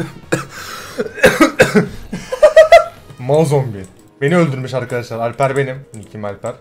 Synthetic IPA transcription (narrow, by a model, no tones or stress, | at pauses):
mozombi | b̥e̞niølʲd̪yɾmiʃaɾkʰad̪aʃlˠaɾalʲpæɾbe̞nimnicʰimalʲpʰæɾ̥